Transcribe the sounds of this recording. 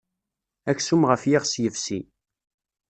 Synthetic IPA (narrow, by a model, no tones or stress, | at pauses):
æksumʁəfjiʁsjəfsi